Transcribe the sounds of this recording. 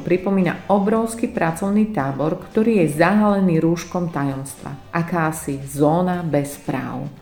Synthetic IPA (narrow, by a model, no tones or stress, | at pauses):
pɾipɔmiːna̰ʔɔbɾɔʊskipɾat͡sɔʊniːt̪aːbɔɾkt̪ɔɾiːjɛzaɦalɛniːɾuːʃkɔmt̪ajɔmst̪ʋa̰ʔakaːsizɔːnabɛspɾa̰ːʊ